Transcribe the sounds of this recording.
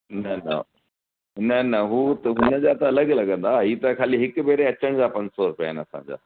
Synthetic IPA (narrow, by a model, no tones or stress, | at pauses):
nɐnɐ̰ | nɐnɐɦuːt̪ɐɦʊnə̆d͡ʑaːt̪ɐɐləɡlɐɡə̃nd̪aːɦiːt̪ɐkʰaːliɦɪkʊ̆beːɾeɐt͡ɕəɽ̃d͡ʑaːpɐ̃ɲd͡ʑsɔɾʊpjaenɐsã̰ːɲd͡ʑa̰ː